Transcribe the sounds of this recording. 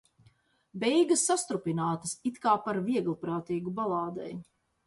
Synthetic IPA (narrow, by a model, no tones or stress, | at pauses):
bɛjɡɐsːast̪ɾupʲinaːt̪ɐsit̪kaːpaɾviɛɡlˠpɾaːt̪iːɡubalˠaːd̪ɛ̰j